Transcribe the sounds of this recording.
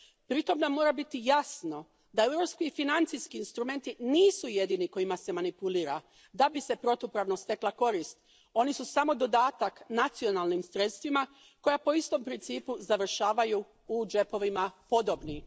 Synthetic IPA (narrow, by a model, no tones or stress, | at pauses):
pɾit̪o̞mnamːo̞ːɾabit̪ijasno̞ | d̪aewɾopskiːfinant̪sijskiːnst̪ɾume̞nt̪iniːsuje̞d̪iːniko̞imase̞manipuliːɾa | d̪abise̞pɾo̞t̪upɾaʋno̞st̪e̞klˠako̞ɾist̪ | o̞nisusamo̞d̪o̞d̪aːt̪aknat̪sio̞nalˠnimsɾe̞t̪st̪ʋima | ko̞japo̞ist̪o̞mpɾint̪siːpuzaʋr̩ʃaːʋaju | ud͡ʒe̞po̞ʋimapo̞d̪o̞bni